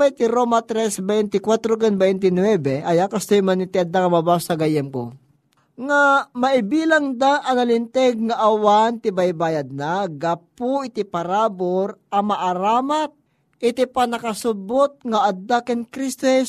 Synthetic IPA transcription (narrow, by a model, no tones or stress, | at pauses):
pajt̪ɪɾomɐt̪ɾɛsbɛjnt̪ɪkwat̪ɾok̬ɛnbɛjnt̪̬ɪnwɛbɛʔɐjakɐst̪ojmanɪt̪ɪɐd̪ːaŋɐmɐbasɐɡɐjɛmko̰ | ŋamɐʔɪbiːlɐŋd̪aʔɐnɐlɪnt̪ɛɡ̚ŋɐʔɐwant̪ɪbajbaːjɐd̪̚naɡɐpʊɪt̪ɪpɐɾaːboɾʔɐmɐʔɐɾaːmat̪̚ | ʔɪt̪ɪpɐnɐkɐsʊbot̪̚ŋɐʔɐd̪akɛnkɾist̪ɛs